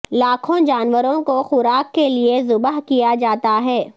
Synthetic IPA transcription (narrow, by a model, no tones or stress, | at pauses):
laːkʰõd͡ʒaːnʋəɾõkoxʊɾaːkːeliezʊbəɦkijad͡ʒaːt̪aɦɛː